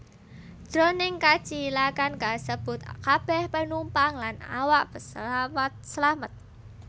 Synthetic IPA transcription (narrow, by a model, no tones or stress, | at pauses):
d̥ɾonɪŋkḁt͡ʃilakankasəb̥ʊt̪̚kab̥ɛhpənumpaŋlana̰waʔb̥əsmət̪̚səlamət̪̚